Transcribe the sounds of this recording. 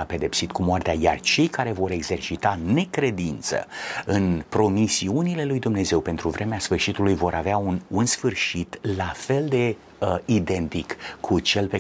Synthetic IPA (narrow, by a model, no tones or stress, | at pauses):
ape̞d̪e̞psit̪kumoart̪eaja̰rt͡ʃe̞jkaɾe̞vo̞ɾe̞ɡze̞rt͡ʃit̪ane̞kɾe̞d̪int̪sə̰ɨnpɾo̞misiunile̞lujd̪umne̞ze̞wpe̞nt̪ɾuvɾe̞measfɨrʃit̪ulujvo̞ɾʔaveaununsfɨrʃit̪lafe̞ld̪e̞ | id̪e̞nt̪ikːʰut͡ʃe̞lpe